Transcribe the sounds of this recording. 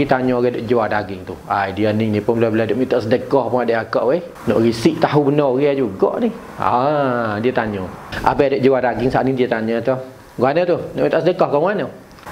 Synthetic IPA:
it̪aɲɔɣɛadoʔd͡ʒuwadaɡɪŋt̪uajdiəniŋnipʊnlabəladoʔmit̪ɔʔsədəkɔhpʊŋadeakɔʔwe | nɔ̰ʔɣisiʔt̪aɦubənɔɣiad͡ʒuɡɔ̰ʔnih | a̰diət̪aɲɔʔa̰baadoʔd͡ʒuwadaɡɪŋsaʔnidiət̪aɲãt̪ɔh | ɡuanət̪unɔʔmit̪ɔʔsədəkɔhkɔŋwanə

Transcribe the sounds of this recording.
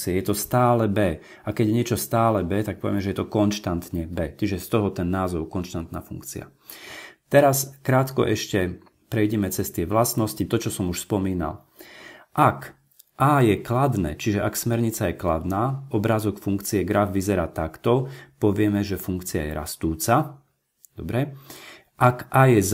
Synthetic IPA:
iɛjɛt̪ɔst̪aːlɛbɛː | akɛɟjɛɲɪɛt͡ʃɔst̪aːlɛbɛːt̪ak̚pɔʋɪɛmɛʒɛjɛt̪ɔkɔnʃt̪ant̪ɲɛbɛːt͡ʃiʒɛst̪ɔɦɔt̪ɛnːaːzɔʊkɔnʃt̪ant̪naːfṵŋkt͡sḭa̰ | t̪ɛɾaskɾaːt̪kɔ̰ʔɛʃcɛ | pɾɛjɟɛmɛt͡sɛst̪ɪɛʋlasnɔscit̪ɔt͡ʃɔsɔmuʃspɔmiːna̰l | ʔak | ʔaːjɛklad̪nɛ̰ːt͡ʃiʒɛʔaksmɛɾɲit͡sajɛkla̰d̪naːɔbɾazɔkfuŋkt͡siɛɡɾavʋizɛɾaːt̪akt̪ɔpɔʋɪɛmɛʒɛfuŋkt͡sia̰jɛ̰ɾa̰st̪uːt͡sa | d̪ɔbɾɛ | ʔakʔaːjɛz

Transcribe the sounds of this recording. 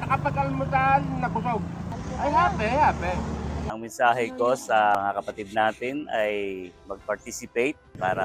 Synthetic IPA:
nɐkɐpɐɡɐlmʊsaʔnːɐkʊsoɡ̚ʔajɦaːpɛhaːpɛɐŋmɛnsaːɦɛko̞sɐŋakɐpɐt̪id̪̚naːt̪ɪnʔɐjmɐɡ̚pɐɹt̪isɪpejt̪̚pa̰ːɾɐ

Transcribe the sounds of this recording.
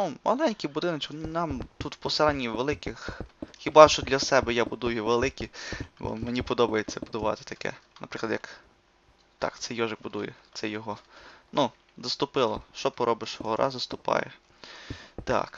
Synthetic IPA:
numɐ̰lˠɛnʲkʲibʊd̪ɪnɔt͡ʃknnɑmt̪ut̪pɔselˠɛnʲːiʋelˠɪkɪxxʲibɑʃt͡ʃɔd̪lʲɐsɛbɛjabʊd̪ujʊʋelˠɪkʲibɔ̰menʲipɔd̪ɔbɐjet͡sʲːɐbʊd̪ʊʋɑ̰t̪ɪ̥t̪ɐkɛ̰nɐpɾɪklˠɐd̪jɐk | t̪ɑ̰kt̪sɛjɔʒɪk̚bʊd̪ujɛt̪sɛjɔɦɔnu | zɐst̪ʊpɪlˠɔʃt͡ʃɔpɔɾʔɔbɪʃɦɔɾʔɑ̰zɐst̪ʊpɑ̰jɛ | t̪ɑ̰k

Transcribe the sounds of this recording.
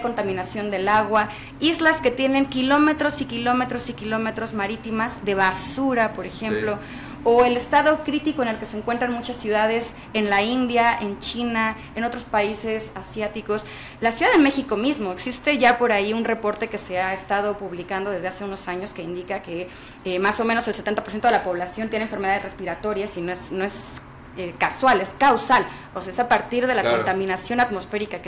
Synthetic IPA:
ko̞nt̪amĩnasjo̞nd̪e̞laɣwa | izlaske̞t̪jene̞ŋkilo̞me̞t̪ɾo̞sikilo̞me̞t̪ɾo̞sikilo̞me̞t̪ɾo̞zmaɾit̪imazðe̞βasuɾapo̞ɾe̞xe̞mplo̞ | oe̞le̞st̪aðo̞kɾit̪iko̞enelkeseːŋkwe̞nt̪ɾanmut͡ʃasːjuð̞að̞e̞s | e̞nlaind̪jae̞nt͡ʃina | eno̞t̪ɾo̞spaise̞sasjat̪iko̞s | lasjuðaðeme̞xiko̞mizmo̞eksist̪e̞ʝapo̞ɾaiunre̞po̞ɾt̪e̞ke̞seaest̪að̞o̞puβlikand̪o̞ðezðe̞ase̞uno̞saɲo̞ske̞ind̪ikake̞ | emaso̞mẽnoselset̪ent̪apoɾsjent̪oelapo̞β̞lasjont̪jeneɱfeɾme̞ð̞aðere̞spiɾat̪o̞ɾjasino̞esno̞es | ekaswale̞skawsal | oseesapaɾt̪iɾðe̞lakont̪amĩnasjo̞nat̪mo̞sfe̞ɾikake

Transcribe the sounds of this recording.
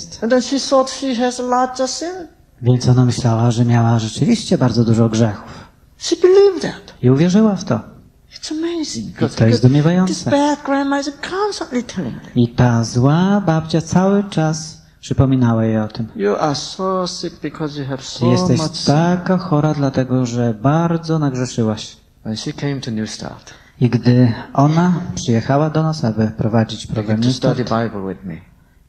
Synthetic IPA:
st̪nðɛ̃nʃiθɔdʃiæzlad͡ʒəsɪ̃n | vʲjɛnt̪sɔnamɘɕlawaʐɛmʲjawaʐɛt͡ʂɘvʲiɕt͡ɕɛbaɾdzɔd̪uʐɔɡʐɛxu̥f | ʃibɨlivdætiuvʲjɛʐɘwaft̪ɔ̰ | ɪtsəmeɪzɪ̃ŋkit̪ɔjɛsd̪umʲjɛvajɔnɪssɛbæd̚ɡɹæ̃nmazkʰɑ̃nstə̃nʔlitʰɛlˠɪ̰̃it̪azwabap̚t͡ɕat̪sawɘt͡ʂas | pʂɨpɔmʲinawajɛɔt̪ɘmjuʔasoʊsɪk̚b̥ikʰɔzjuəv̥sjɛst̪ɛɕmaakaxɔɾad̪lat̪ɛɡɔʐɛbaɾd̪zɔnaɡʐɛʂɘwaɕ | wɛ̃nʃikʰẽɪ̃mtʰunjusta̰ɹt | iɡd̪ɘɔnapʂɨjɛxawad̪ɔnasabɘpɾɔvad͡ʑit͡ɕpɾɔɡɾamɲust̪aibaɪbl̩ˠwɪ̰ðmḭ

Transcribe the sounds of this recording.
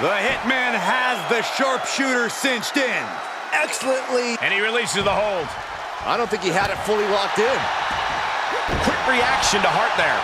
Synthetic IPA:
ðəhɪt̚mæ̃nɨzðɨʃɑɹpʃʉɾə˞sɪ̃nt͡ʃtɪ̃n | ɛksl̩ˠə̃nʔliɨ̃ñiɹilisɨzðəɦoʊlˠd̥ | aɪɾõʊ̃nθɪ̃ŋkiɨɾɨtfʊlˠiɹɑk̚tɪ̃n | jəɨkʰw̥ɪkɹiækʃɨ̃ntəɦɑɹt̪̚ðə˞

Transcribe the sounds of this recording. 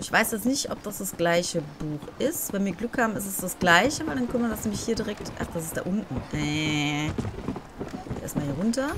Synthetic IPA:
ʔɪçv̥aɪsd̥asnɪçtʔɔp̚d̥asd̥asɡ̥laɪçəbuːxʔɪstv̥ɛnviːɐɡlʏkhaːbm̩ɪsdɛsd̥asɡ̥laɪçəvaɪldankʰœnmadasnɛːmlɪçhiːɐdiʁɛktʔa̰χd̥as̬ɪstd̥a̰ːʔʊntn̩ʔɛ | d̥ḛːɐɪstmahiːɐʁʊntɐ

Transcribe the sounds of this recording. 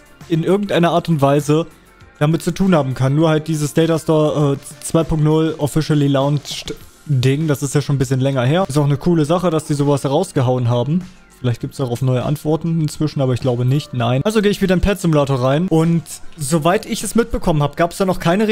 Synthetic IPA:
ʔɪnʔɪɐɡ̚ŋ̩tʔaɪnɐʔaːɐtʊntv̥aɪzə | d̥amɪt̚t͡sutʰuːnhaːbm̩kʰanːuːɐhalt̚d̥iːzəsd̥ɛːtastɔːɐʔɛːt͡sv̥aɪpʊŋktnʊlʔɔfɪʃəlilaʊnt͡ʃtdɪŋd̥asɪstjaːʃoːnbɪs̬çənlɛŋɐɦeːɐstaʊxnəkʰuːləzaχəd̥asd̥iːzoːvashɛʁaʊsɡ̥əɦaʊənɦaːbm̩ | fɪlaɪçtɡ̥iːptəsdaʊxaʊfnɔʏəʔa̰ntv̥ɔɐtn̩ɪnt͡sv̥ɪʃn̩ʔaːbɐɪçɡ̥laʊbənɪçtnaɪnʔalzoɡeːɪçv̥iːdɐɪnpʰɛtz̥ɪmulaːtoːɐʁaɪnʔʊntzovaɪtɪçɛsmɪt̚b̥əkʰɔmənhaːbəɡ̥aːpɛsd̥aːnɔχkʰaɪnəʁ

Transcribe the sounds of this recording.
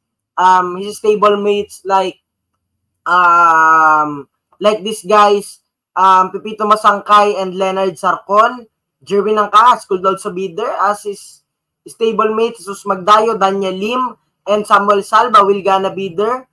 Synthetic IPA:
ʔɐmhist̪ejbolmejt̪slajk̚ | ʔɐ | m | lajk̚d̪isɡajs | ʔɐmpipiːt̪omɐsɐŋkajɛnd̪lɛnɐɹd̪̚sɐɾkon | d͡ʒɛɹminɐŋkahɐskuld̪old̪̚sɐbid̪ɛɹʔɐsis | st̪ejbolmejt̪sosmɐɡ̚d̪aːjod̪anjɛlim | ʔɛnd̪samwɛlsalbɐwɪlɡanɐbiːd̪ɛɹ

